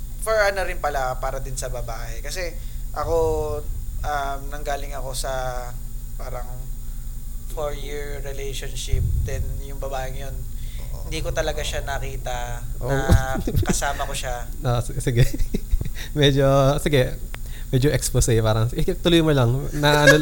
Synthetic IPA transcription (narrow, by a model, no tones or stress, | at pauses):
fɔɹɐnɐɾɪnpɐlapaːɾɐd̪ɪnsɐbɐbaːʔɛkɐsɛʔɐko̞ | ʔɐmnɐŋɡaːlɪŋɐko̞sɐ | paːɾɐŋ | foɹjɪɹ | ɾɛlɛjʃonʃɪp̚d̪ɛnjʊŋbɐbaːʔɪŋɐjon | ɪnd̪iːkot̪ɐlɐɡaʃanɐkiːt̪ɐʔʔo | kɐsaːmɐkoʃa | ʔosɪɡɛ | mɛd͡ʒosɪɡɛ | mɛd͡ʒoʔɛksposɐjpaːɾɐŋsɪt̪ʊlojmɐlɐŋnɐʔɐno